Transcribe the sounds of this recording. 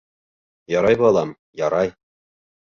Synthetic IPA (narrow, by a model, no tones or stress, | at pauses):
jɒɾɑjbɤɒlˠɑm | jɒɾɑj